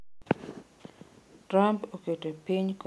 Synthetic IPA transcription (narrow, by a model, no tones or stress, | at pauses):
tɾampoketopiɲk